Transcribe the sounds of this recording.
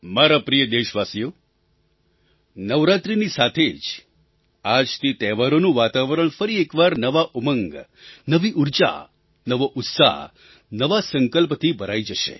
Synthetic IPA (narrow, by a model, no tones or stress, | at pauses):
maɾapɾijəd̪eʃʋasijo | nəʋɾat̪ɾinisat̪ʰed͡ʒ | ad͡ʒt̪ʰit̪ɛʋaɾonũʋat̪aʋəɾəɳ̃fəɾiekʋaɾnəʋaʔuməŋɡ | nəʋiʔuɾt͡ʃa̰ | nəʋoʔʊt̪sa̰ɦ | nəʋasəŋkəlp̬t̪ʰibʱəɾaid͡ʒəʃḛ